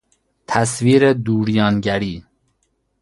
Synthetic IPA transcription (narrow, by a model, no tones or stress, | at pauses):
t̪ʰæsviːɾed̪uːɾjɒːnɟæɾiː